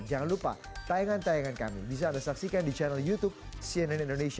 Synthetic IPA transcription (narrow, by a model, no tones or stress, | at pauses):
d͡ʒaŋanlupa̰ | t̪ajaŋant̪ajaŋanka̰mḭbis̬aːndasaksikandit͡ʃanaljut̪up̚ | siɛnɛnindonesia